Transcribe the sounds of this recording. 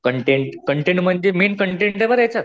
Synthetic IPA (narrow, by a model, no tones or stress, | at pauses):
kəɳʈeɳʈkəɳʈeɳɖm̤əɳd͡ʑemiːnkəɳʈẽɳʈeʋəɾet͡ɕat̪